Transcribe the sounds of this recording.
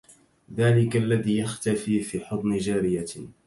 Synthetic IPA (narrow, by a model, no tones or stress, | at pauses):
ðaːlɪkalːaðiːjaxt̪afiːfiːħʊt̪ˤnɪd͡ʒaːɾɪja